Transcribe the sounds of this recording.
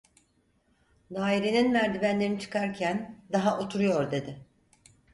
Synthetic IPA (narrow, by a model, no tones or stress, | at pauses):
d̪aːiɾe̞ninmæɾd̪ibænlʲe̞ɾinit͡ʃʰɯ̥kʰaɾcʰænd̪aɦaʔot̪ʰuɾujo̞ɾd̪e̞d̪ɪ